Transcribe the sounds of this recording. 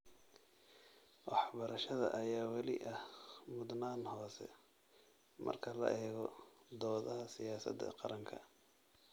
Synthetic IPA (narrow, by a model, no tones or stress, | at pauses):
wɑħbɐɾɐʃɐðɐ̰ʔɐjaːwɑlɪʔɐhmʊd̪naːnhɔːsɛ̰ | mɐ̰rkʰɐlɐ̰ʔɛːɣɔd̪ɔːðɐɦɐsɪjaːsɐ̰d̪ɛ̰qɑɾɐŋkʰɐ